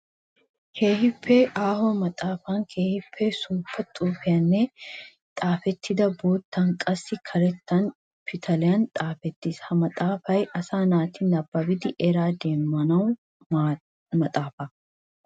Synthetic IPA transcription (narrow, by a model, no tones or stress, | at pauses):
kʰe̞ːhɪpːeʔaːhɔmɐt̪ʼaːfaŋkʰeːhɪpʰːesuːpːɐt̪ʼuːfɪjɐnːe | t̪ʼaːfɛt̪ːɪd̪ɐbo̞ːt̪ːɐŋkʼɐsːɪkʰɐɾɛt̪ːɐn | pʰɪt̪ʰɐlɪjɐnt̪ʼaːfɛt̪ːɪshɐmɐt̪ʼaːfɐjʔɐsaːnaːt̪ɪnɐbːɐbɪd̪ɪʔɛɾaːd̪e̞ːmːɐnɐw | mɐt̪ʼaːfɐ